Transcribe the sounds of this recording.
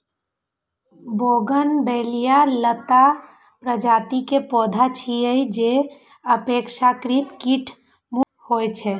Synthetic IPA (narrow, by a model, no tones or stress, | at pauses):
boɡənbelijalət̪a | pɾəd͡ʒat̪ikepɔd̪ʱat͡ʃʰijəjd͡ʒe | əpekʃakɾit̪kiʈʰ | mu | hojt͡ʃʰɛ